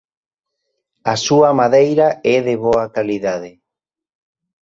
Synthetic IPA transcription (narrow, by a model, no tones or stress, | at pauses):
asuamaðejɾaɛðeβoakaliðaðe